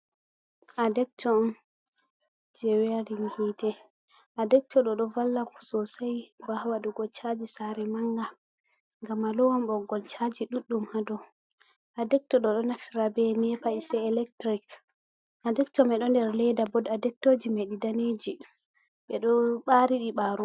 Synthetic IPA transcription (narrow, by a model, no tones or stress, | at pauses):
ʔadɛk̚tʰɔm | d͡ʒɛwɛaɾinhiːtɛ | ʔadɛk̚tʰɔɗɔɗɔvalːaku̥sɔsajbahwaɗuɡɔt͡ʃad͡ʒisaɾɛmaŋɡa | ŋɡamːalɔwɔmɓɔɡɔlt͡ʃad͡ʒiɗuɗːumhadɔ | ʔadɛk̚tɔɗɔɗɔnafiɾabɛnɛpaisɛɛlɛk̚tɾik | ʔadɛktɔmɛɗɔndɛɾlɛdabɔdadɛk̚tod͡ʒimɛɗidaneːd͡ʒi | ɓɛɗɔɓaɾiɗiɓaɾu